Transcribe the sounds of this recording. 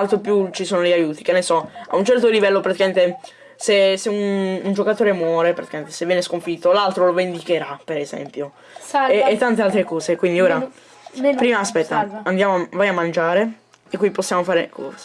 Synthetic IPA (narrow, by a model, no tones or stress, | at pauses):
alt̪ɾopjut͡ʃisoːnoʎajuːt̪i̥k̟enːesɔa̰unt͡ʃɛrt̪olivɛlːopɾat̪ikament̪e | seseunund͡ʒokat̪oːɾemwɔːɾepɾat̪ikament̪esevjɛːneskoɱfit̪ːolalt̪ɾolovend̪ikeɾapeɾezɛ̰mpjoː | t̪ːant̪ealt̪ɾekɔːzekwind̪ioːɾa | pɾiːmaspɛt̪ːaand̪jaːmoavajamːand͡ʒaːɾe | ekːiposːjaːmofaːɾekʰɔ̰ːz